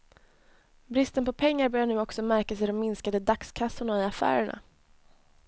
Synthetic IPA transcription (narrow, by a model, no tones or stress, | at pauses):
bɾɪst̪ənpɔpʰɛŋːaɾbœːɾjaɳʉ̟ːɔksɔmæɾkasɛɪd̪ɔmːɪnskad̪əd̪akskʰasːʊɳaɪafæ̰ːɾəɳa̰